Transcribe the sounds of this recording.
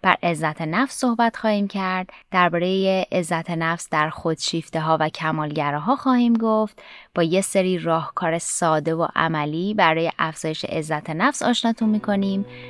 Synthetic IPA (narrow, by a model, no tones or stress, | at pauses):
b̥æ̰ɾʔe̞zːæt̪ʰenæfsːo̞hbæt̪xɒːhiːmcʰæɾd̪̥d̪æɾbɒːɾejeʔezːæt̪ʰenæfsd̪æɾxo̞d̪̥ʃiːft̪e̞ɦɒːvæcʰæmɒːlɟæɾɒːɦɒːxɒːhiːmɡoft̪b̥ɒːjeseɾiːɾɒːhkʰɒːɾesɒːd̪e̞vo̰ʔæ̰mæliːbæɾɒːje̞ʔæfz̥ɒːje̞ʃe̞̰ʔezːæt̪ʰenæfsɒ̰ːʃnɒːt̪ʰunmiːkʰo̞niːm